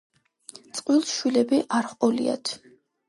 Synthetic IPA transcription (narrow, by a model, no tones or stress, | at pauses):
t̪sʼqʼwilˠsʃwilɛbiʔaɾχqʼɔlḭa̰t̪ʰ